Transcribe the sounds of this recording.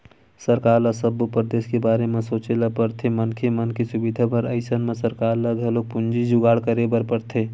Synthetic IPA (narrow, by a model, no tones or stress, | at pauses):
səɾkaːɾlasəbupɾəd̪eːskebaːɾemẽsoːt͡ʃelapəɾt̪ʰemənkʰemənkesʊbid̪ʱapəɾəɪsənmẽsəɾkaːɾləɡʱəloːɡ̚pʊnd͡ʒid͡ʒʊɡaːɽkəɾebəɾpəɾt̪ʰeː